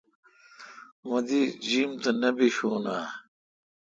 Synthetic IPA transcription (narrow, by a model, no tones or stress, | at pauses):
mɐd̪id͡ʑiːmt̪ɐnɐbiɕoːnaː